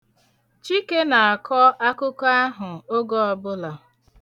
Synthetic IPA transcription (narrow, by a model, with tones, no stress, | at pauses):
t͡ʃi˦ke˦na˨a˨kʰɔ˦ʔa˦kʊ˦ka˦ɦʊ˨o˦ɡɔ˦ɔ˦bʊ˦la˨